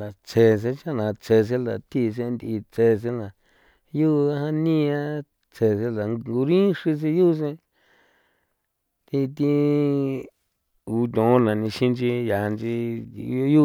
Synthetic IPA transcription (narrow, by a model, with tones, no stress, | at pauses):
a˨t͡se˧s̬ẽ˧˦t͡ʃa˦˨nã˨˧t͡se˧˨s̬e˦la̰˨t̪i˦˧s̬ẽ˧nd̪i˧t͡se˧s̬e˦nã˨ | ju˦˧a˦ɦã˦nĩ˦˧ã˦ | t͡se˧s̬e˧a˨ŋŋɡu˧ɾĩ˦ʂi˧s̬i˧ju˦˧s̬ẽ˧ | t̪i˧t̪i˧ | u˧t̪̬ʲõ˨˧nã˨nĩ˧ʃĩ˦nd͡ʒi˧ja˨˧nd͡ʒi˧o˧˦ju˦